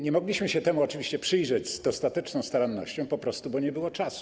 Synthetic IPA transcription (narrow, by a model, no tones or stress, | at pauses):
ɲɛmɔɡlʲiɕmɘɕɛt̪ɛmuɔt͡ʂɘvʲiɕt͡ɕɛpʂɘjʐɛd͡ʑzd̪ɔst̪at̪ɛt͡ʂnɔ̃w̃st̪aɾanːɔ̰ɕt͡ɕɔ̃w̃pɔpɾɔst̪ubɔɲɛbɘwɔt͡ʂasu̥